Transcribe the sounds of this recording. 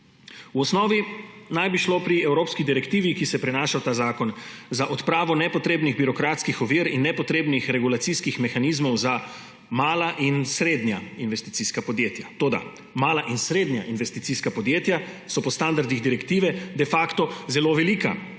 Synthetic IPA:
uɔsnɔːʋinajbiʃloːpɾiɛwɾoːpskid̪iɾɛkt̪iːʋikisɛpɾɛnaːʃawt̪aːzaːkɔnzaʔɔt̪pɾaːʋɔnɛpɔt̪ɾeːbniɣbiɾɔkɾaːt̪skixɔʋiːɾinːɛpɔt̪ɾeːbnixɾɛɡulat̪siskixmɛxanizmɔwza | maːlaʔinsɾeːd̪njainʋɛst̪it̪siːskapɔd̪jeːt̪jat̪oːd̪a̰ | maːlaʔinsɾeːd̪ɲjaʔinʋɛst̪i̥t̪siːskapɔd̪jeːt̪jasɔpɔst̪and̪aɾd̪iɣd̪iɾɛkt̪iːʋɛd̪ɛfakt̪ɔzɛloːʋɛliːka̰

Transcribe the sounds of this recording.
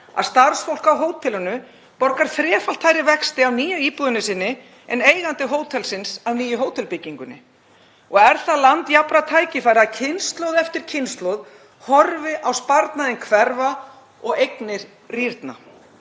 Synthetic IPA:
a̰ðst̪ar̥sfowl̥kawɦoːwt̪ʰɪlʏnʏ | pɔɾkaɾ̥θɾɛːfal̥t̪ʰaːjɾɪvɛkst̪ɪawniːjʏiːpuðʏnɪsɪnːɪ | ɛ̰neːjɣant̪ɪɦoːwt̪ʰɛlsɪnsawniːjʏɦoːwt̪ʰɛlpɪcːiŋkʏnɪ̰ | ɔɣɛɾ̥θalant̪japɾat̪ʰaːjcɪfajɾɪaðcʰɪnst̪lowðɛft̪ɪɾ̥cʰɪnst̪lowð | hɔɾvɪʔawspaɾt̪naðɪnkʰvɛɾva | ɔɣejknɪɾ̥ | riɾt̪na̰

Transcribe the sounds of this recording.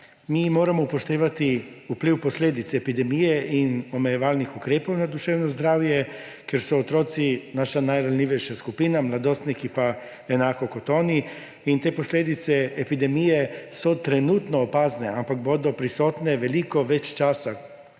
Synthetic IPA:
mimoːɾamɔpoʃt̪eːʋat̪iupliwpɔslʲeːd̪it̪sɛːpid̪ɛmijɛʔinomejɛʋaːlnixukɾeːpownad̪uʃeːwnɔzd̪ɾaːwjɛ | kjɛɾsɔːt̪ɾoːt̪sinaːʃanajɾalʲniʋɛʃjaskupiːnamlad̪oːst̪nikipa | enaːkokot̪oːni | int̪eːposlʲeːd̪it̪sɛːpid̪ɛmijɛsɔt̪ɾɛnuːt̪nɔːpaːznɛampak̚boːd̪ɔpɾisoːt̪nɛʋɛlikɔʋɛt͡ʃt͡ʃaːsa

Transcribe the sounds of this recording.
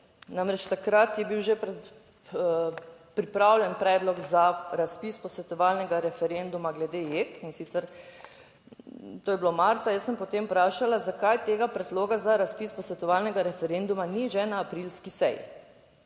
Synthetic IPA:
namɾɛt͡ʃt̪akɾat̪jɛbiwʒepɾɛ | pɾipɾawlʲjɛnpɾɛːd̪lɔɡzaɾaspispɔsʋɛt̪ɔʋaːlnɛɡaɾɛfɛɾend̪umaɡlɛd̪ejekinsit̪sɛɾ | t̪oːjɛblomaɾt̪sajəsːəmpɔt̪empɾaːʃalazakajt̪eːɡapɾɛd̪loːɡazaɾaspispɔsʋɛt̪ɔʋalnɛɡaɾɛfɛɾend̪umaniʒɛnaːpɾilskisɛ̰jḭ

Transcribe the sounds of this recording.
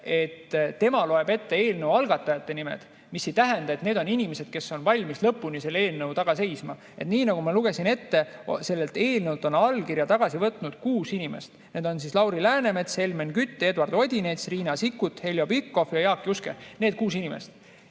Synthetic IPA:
e̞t̪t̪ːe̞mɑlo̞e̞be̞t̪ːe̞e̞ːlnəwɑlɡɑt̪ːˑɑjɑt̪ːe̞nimḛd̪̥ | misːe̞jt̪æɦend̪ɑe̞t̪ne̞ːd̪̥o̞ninʲimese̞d̪̥ke̞sːo̞nvɑlʲmislɤpːunise̞lːe̞ːlnɤwt̪ɑɡ̥ɑse̞jsmɑ | e̞t̪niːnɑɡ̥umɑluɡe̞sine̞t̪ːe̞se̞lːelt̪e̞ːlnəwt̪ːˑo̞nɑlkirjɑt̪ɑɡ̥ɑsivɤt̪ˑnud̪̥kuːsinʲimḛst̪ne̞ːd̪̥o̞nsislɑwɾilæːne̞me̞t̪se̞lmenkyt̪ˑːed̪vɑrd̪o̞d̪ʲinet̪sriːnɑsikːut̪ːˑhe̞ljo̞bikːo̞fjɑjɑːkːˑiuskene̞ːd̪̥̚kuːsinime̞̰st̪

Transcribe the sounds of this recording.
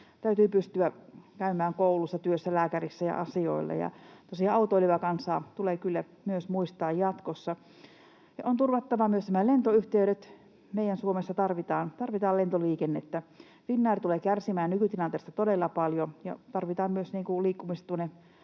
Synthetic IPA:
t̪æyt̪yːpyst̪yækæymæːŋkoulusːɑt̪yøsːælæːkærisːæjɑ̰ʔɑsio̰ilːɑ̰jɑ̰t̪uosihɑɑut̪oiliʋɑkɑnsɑːt̪uleːkylːæ | myøsmuist̪ɑːjjɑt̪kosːɑ | jɑ̰ont̪urʋɑt̪ːɑʋɑmyøsnæmælent̪oyht̪eyɾet̪ | meijænsuomesːɑt̪ɑrʋit̪ɑːnt̪ɑrʋit̪ɑːlent̪oliːkenːet̪ːæ | ʋinːɑːrt̪uleːkærsimæːnnykyt̪ilɑnt̪est̪ɑt̪odelːɑpɑljojɑ̰t̪ɑrʋit̪ɑːmmyøsniːŋkuliːkːumistt̪uonːe

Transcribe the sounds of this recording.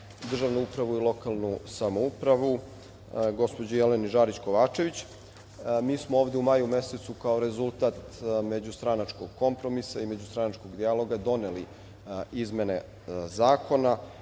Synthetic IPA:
d̪r̩ʐaʋnuupɾaʋuilˠo̞kalˠnusamoupɾaʋu | ɡo̞spo̞d͡ʑejeleniʒaːɾit͡ɕkoʋaːt͡ʃe̞ʋit͡ɕ | miːsmooːvd̪eumaːjume̞se̞t̪sukao̞ɾe̞zulˠt̪aːt̪me̞d͡ʑust̪ɾanat͡ʃkoɡ̥ko̞mpɾo̞misaime̞d͡ʑust̪ɾanat͡ʃko̞ɡd̪ijalˠo̞ɡad̪o̞neli | izme̞ne̞ | zaːko̞na

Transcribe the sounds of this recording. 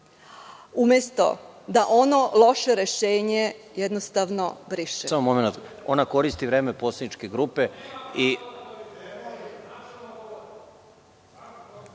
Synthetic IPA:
umjest̪o̞̰d̪aʔo̞no̞lo̞ʃeɾeʃeːɲe | jed̪nost̪aʋno̞bɾiʃɛsamomomenat̪o̞nako̞ɾist̪iʋɾeːmepoːsed̪nit͡ʃkeɡɾupei

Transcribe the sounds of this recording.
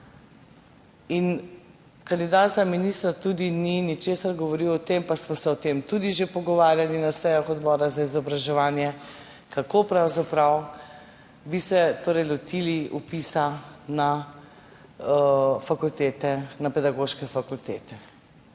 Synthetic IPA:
in | kand̪id̪aːt̪zaminist̪ɾat̪ud̪ininit͡ʃeːsaɾɡɔʋɔɾiwɔt̪empasmɔsɛɔt̪emt̪ud̪iʒepɔɡɔʋaːɾjalinasɛjaxɔd̪bɔːɾazaizɔbɾaʒɛʋaːnjɛ | kakopɾawzapɾaw | bisɛt̪oːɾɛjlɔt̪iliupisana | fakult̪eːt̪ɛnapɛd̪aɡoʃkɛfakult̪eːt̪ɛ

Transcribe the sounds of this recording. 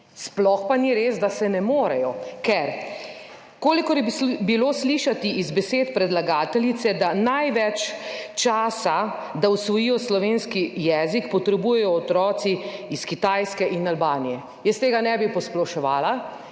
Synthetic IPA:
splɔxpaniɾeːsd̪asɛnɛmoːɾɛjɔkɛɾ | koːlikɔɾjɛbiloːsliʃat̪iʔizbɛseːt̪pɾɛd̪laɡaːt̪ɛlit̪sɛd̪anajʋɛt͡ʃt͡ʃaːsa | d̪ausʋɔjijɔslɔʋeːnskijɛːzikpɔt̪ɾɛbujɛjɔːt̪ɾɔːt̪siiskit̪ajskɛʔinalbaːnijɛ | jɛst̪eːɡanɛbipɔsplɔʃɔʋaːla

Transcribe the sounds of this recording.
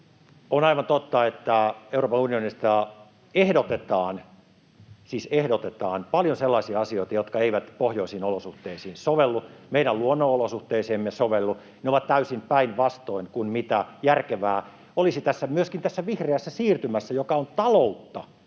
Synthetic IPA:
onɑiʋɑnt̪ot̪ːɑet̪ːæeuroːpɑnunionist̪ɑ | ehdot̪et̪ɑːn | siːsehdot̪et̪ɑːnpɑljonselːɑisiɑɑsioit̪ɑjot̪kɑeiʋæt̪pohjoisiːnolosuht̪eisiːnsoʋelːumeiɾæluonːoːolosuht̪eiseːmːesoʋelːu | neoʋɑt̪t̪æysimpæinʋɑst̪oinkunmit̪æjærkeʋæː | olisit̪æsːæmyøskint̪æsːæʋihreæsːæsiːrt̪ymæsːæjokɑont̪ɑlout̪ːɑ

